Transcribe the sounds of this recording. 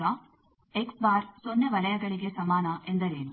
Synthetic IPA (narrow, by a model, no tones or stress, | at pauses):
ɐ | eksbaːɾsonːeʋɐlɐjɐɡɐɭiɡe̞sɐmaːnɐʔe̞nd̪ɐɾeːnu